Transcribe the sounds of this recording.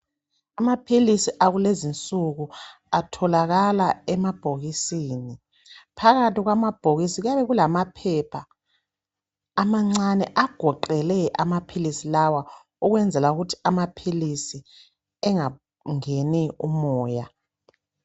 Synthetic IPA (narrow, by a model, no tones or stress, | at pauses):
amapʰilisiʔaɣulezint͡sʼuɣu | atʰɔlaɣalaɛmab̥ʱoɣisiːni | pʰaɣatiɣwamab̥ʱoɣisiɣaβɛɣulamapʰɛpʰa | maŋ͡ǀanɛʔaɡ̥ʱɔǃɛlɛʔamapʰilisilawa | uɣwɛnd͡zʱɛlauɣutʰi̥amapʰilisi | ɛŋa | ŋeniumɔːja